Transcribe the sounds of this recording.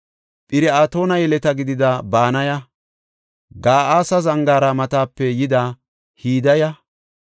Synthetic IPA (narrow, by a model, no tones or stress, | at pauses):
pʼɪɾɛaːt̪o̞ːnɐjɛlɛt̪ɐɡɪd̪ɪd̪ɐbaːnɐjɐ | ɡaːʔaːsɐzɐŋɡaːɾɐmɐt̪aːpːɛjɪd̪a | hiːd̪ɐjɐ